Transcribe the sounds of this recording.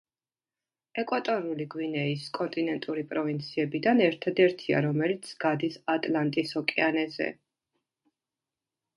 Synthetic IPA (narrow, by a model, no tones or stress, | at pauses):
ɛkʼwat̪ʼɔnuliɡwinɛiskʼɔnt̪ʼinɛnt̪ʼuɾipʼɾɔvint̪sʰiɛbid̪anɛɾt̪ʰad̪ɛɾt̪ʰia̰ɾɔmɛlit̪sʰɡ̥ad̪isat̪ʼlant̪ʼisɔkʼianɛzɛ̰